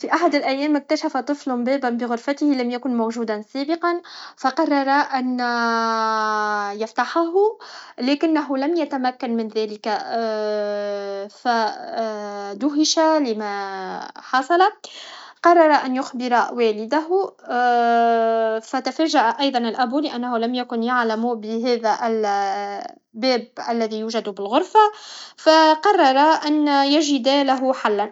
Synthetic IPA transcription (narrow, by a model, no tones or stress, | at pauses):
fiʔaħad̪ɪlʔæjːɛːmɪk̚t̪æʃæfat̪ˤɨflhʊmbæːbæbɪɣʊɾfæt̪ɪhilæmjækʊnmowʒuːd̪ansæːbɪqɑnfɑqɑrˤːɑɾˤɑʔæn | jɑft̪ɑħaɦʊlɛːkɪnːæɦʊlæmjæt̪æmækːanmɪnðæːlɪka | fæ | d̪ʊɦɪʃalɪmæ | ħɑsˤɑlaqɑrˤːɑɾˤɑʔanjʊxbɪɾˤɑwæːlɪd̪aɦʊ | fæt̪afæːʒaʔaʔɑjðˤɑnɪlʔæbulɪʔænːahʊlamjakʊnjaʕlamubɪɦæːðæʔl | bæːbʔælːæðijuːʒad̪bɪlɣʊɾˤfafæqɑrˤːɑɾˤɑʔænjaʒɪd̪æːlaɦʊħalːan